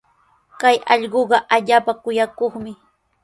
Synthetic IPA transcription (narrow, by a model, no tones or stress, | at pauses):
kajɑʎɢoɢɑʔaʎaːpakʊjakoχmɪ